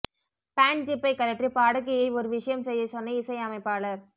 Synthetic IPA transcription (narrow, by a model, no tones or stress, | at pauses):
paːnt̪ɪpːɐɪkːɐlɐk̚ʈripaːɽɯk̬ːɪjɐɪɔɾɯʋɪʂɐjɐmsɛjːɐsɔnːɐɪsɐɪɐmɐɪpːaːlɐɾ